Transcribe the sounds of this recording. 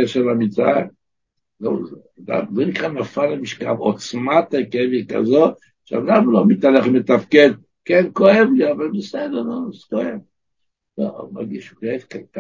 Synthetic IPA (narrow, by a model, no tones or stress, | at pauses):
eʃeʁamit͡sa | zoz | da̰mzɛnikʁanafalamiʃka̰vot͡smat̪ekevika̰zo | ʃea̰damlomit̪aleχmet̪afked̪̚ | kenkoemliavalbiselonozkoem | lo̰ma̰ʁɡiʃukoevkat̪a